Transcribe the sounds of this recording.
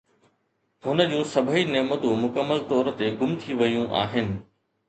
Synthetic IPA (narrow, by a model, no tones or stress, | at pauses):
ɦʊnəd͡ʑũːsɐbʱineːmət̪ũmʊkəmːəlt̪ɔːɾ̆t̪eɡʊmt̪ʰiʋɐjũʔa̰ːɦɪnɪ̆